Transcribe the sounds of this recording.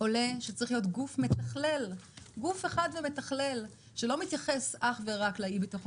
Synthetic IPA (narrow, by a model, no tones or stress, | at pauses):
o̞le̞ʃet͡sʁiχlijo̞tɡufme̞t̪aχle̞lɡufeχad̪veme̞taχle̞l | ʃelo̞mit̪jaχe̞saχveʁaklaibet̪oχ